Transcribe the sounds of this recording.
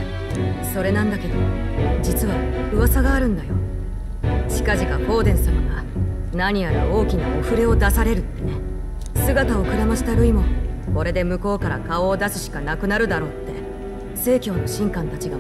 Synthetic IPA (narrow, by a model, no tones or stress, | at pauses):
so̞ɾe̞nãnd̪ake̞d̪o̞mod͡ʑit͡sɨβaɯ̟βasaɡaːɾɯ̟̃nd̪ajo̞̰ | ɕi̥kaʑikako̞ːd̪ẽ̞ɰ̃samaɡanaɲ̟ijaɾao̞ːkʲinaoɸɯ̟ɾe̞o̞d̪asaɾe̞ɾɯ̟t̪ːe̞ne̞ | sɨɡat̪ao̞kɯ̟ɾamaɕi̥t̪aɾɯ̟imo̞ko̞ɾe̞d̪e̞mɯ̟ko̞ːkaɾakao̞ːd̪asɨɕi̥kanakɯ̟naɾɯ̟d̪aɾo̞ːt̪ːe̞̰ | se̞ːkʲo̞ːno̞ɕĩŋkãnt̪at͡ɕiɡa